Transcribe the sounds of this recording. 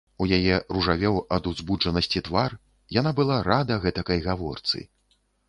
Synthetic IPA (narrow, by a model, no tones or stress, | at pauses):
ujajɛruʐavʲɛwɐd̪uzbud͡ʐɐnɐsʲt͡sʲit̪var | janabɨlˠaɾad̪ɐɣɛt̪ɐkɐjɣavɔ̰rt̪sɨ̰